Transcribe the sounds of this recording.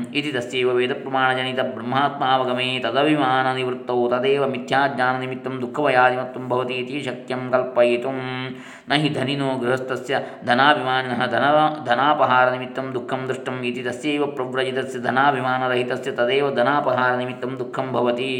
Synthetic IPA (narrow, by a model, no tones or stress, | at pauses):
it̪id̪ɐsjeːʋɐʋeːd̪ɐpɾɐmaːɳɐd͡ʒɐnit̪ɐbʱɾɐmːaːt̪maːʋɐɡɐmeːt̪ɐd̪ɐʋimaːnɐniʋɾut̪ːɐwt̪ɐd̪eːʋɐmit̪ʰjaːɡɲaːnɐnimit̪ːɐmd̪ukʰːɐʋɐjaːd̪imɐt̪ːumbʱɐʋɐt̪iːt̪iʃɐk̚t̪jɐmkɐlpɐjit̪um | nɐɦid̪ʱɐninoːɡɾuɦɐst̪ɐsjɐd̪ʱɐnaːbʱimaːninɐɦɐd̪ʱɐnɐd̪ʱɐnaːpɐɦaːɾɐnimit̪ːɐmd̪ukʰːɐmd̪ɾɪʂʈɐmit̪id̪ɐsjeːʋɐpɾɐʋɾɐd͡ʒit̪ɐsjɐd̪ʱɐnaːbʱimaːnɐɾɐɦit̪ɐsjɐt̪ɐd̪eːʋɐd̪ʱɐnaːpɐɦaːɾɐnimit̪ːɐmd̪ukʰːɐmbʱɐʋɐt̪i